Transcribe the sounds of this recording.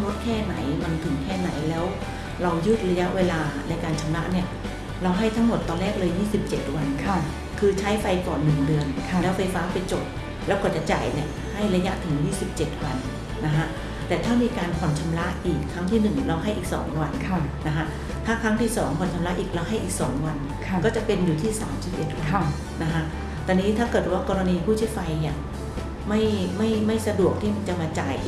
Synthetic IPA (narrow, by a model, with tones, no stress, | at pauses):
mo˦˥t̪̚kʰɛː˥˩na˩˦jma˧nt̪ʰɯ˨˩˦ŋkʰɛː˥˩na̰˩˦jlɛː˦˥w | ɾa˧wjɯ˥˩t̪̚ɾa˧ja˦˥ʔweː˧laː˧na˧jkaː˧nt͡ɕʰa˧mɾa˦˥ʔni˥˩ɐ | ɾa˧wɦa˥˩jt̪ʰa˦˥ŋmo˨˩t̪ːɔː˧nlɛː˥˩k̚lɤː˧jiː˥˩si˨˩p̚t͡ɕe˨˩t̪̚wa˧nkʰ | kʰɯː˧t͡ɕʰa˦˥jfa˧jkɔ̰ː˨˩nːɯ˨˩ŋdɯ˧ənʰlɛː˦˥wfa˧jfaː˦˥pa˧jt͡ɕo˨˩p̚ | lɛː˦˥wkɔː˨˩t͡ɕa˨˩t͡ɕa̰ː˨˩jni˨˧˩ə | ha˥˩jɾa˧ja˦˥ʔt̪ʰɯ˩˦ŋjiː˥˩si˨˩p̚t͡ɕe˨˩t̪̚wa˧n | na˦˥kʰa˦˥ʔ | t̪ɛː˨˩t̪ʰaː˥˩miː˧kaː˧npʰɔ˨˩˦nt͡ɕʰa˧mla˦˥ʔʔiː˨˩kʰːa˦˥ŋt̪ʰiː˥˩nɯ˨˩ŋla˧˥wɦa˥˩jʔiː˨˩k̚sɔ̰ː˩˦ŋwa˧nʰː | a˦˥kʰa˦˥ʔ | t̪ʰaː˥˩kʰɾa˦˥ŋt̪ʰiː˥˩sɔː˩˦ŋpʰɔ˨˩nt͡ɕʰa˧mla˦˥ʔiː˨˩k̚la˧wɦa˥˩jʔiː˨˩k̚sɔ̰ː˩˦ŋwa˧nʰ˩˧kɔː˥˩t͡ɕa˨˩pe˧njuː˨˩t̪ʰiː˥˩saː˩˦msi˨˩p̚ʔe˨˩t̪̚wa˧ | na˦˥kʰa˦˥ | t̪ɔː˧niː˦˥t̪ʰaː˥˩kɤ˨˩t̪̚waː˥˩kɔː˧ɾa˧niː˧pʰuː˥˩t͡ɕʰi˥˩əfa˧jni˦˥˩ɐ | ma˥˩jma˥˩jma˥˩jsa˧du˨˩ək̚t̪ʰiː˥˩ma˧nt͡ɕa˧˩maː˧t͡ɕa̰ː˨˩j